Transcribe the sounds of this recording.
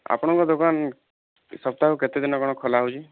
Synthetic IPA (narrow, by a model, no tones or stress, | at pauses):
a̰pɔɽ̃ɔŋkɔd̪okan | sɔp̚t̪akuket̪ed̪inɔkɔɽ̃ɔkʰɔlaɦut͡ʃʰi